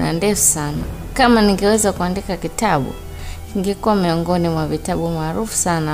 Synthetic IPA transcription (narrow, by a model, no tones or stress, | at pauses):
na̰ndɛfu̥sana̰ | kamaniŋɡɛwɛzakuandikakitaɓṵ | kiŋɡɛkuwamiɔŋɡɔnimwavitaɓumaːɾufu̥sana